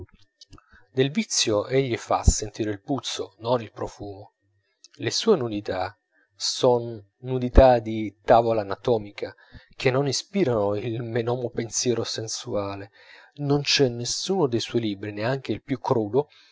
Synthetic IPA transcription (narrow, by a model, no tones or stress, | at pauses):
d̪elvit̪sːjoʔeʎːifa̰sent̪iːɾeilput̪sːononilpɾofuːmo | lesuːenud̪it̪a | sonː | ud̪it̪ad̪it̪aːvolaːnat̪ɔːmikʰa | k̟enːonispiːɾanoilmenɔːmopensjɛːɾosensuaːle | nont͡ʃɛnːesuːnod̪ejswɔːjliːbɾineaŋk̟eilpjukʰːɾuːd̪o